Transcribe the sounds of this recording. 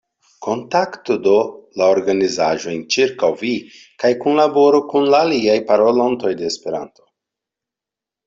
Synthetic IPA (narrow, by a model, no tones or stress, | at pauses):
kʰo̞ntaktodo̞laoɾɡanizaʒo̞jnt͡ʃiɾkawvi | kajkunlabo̞ɾokunlaːliajpaɾolonto̞jde̞ːspe̞ɾa̰nto̞̥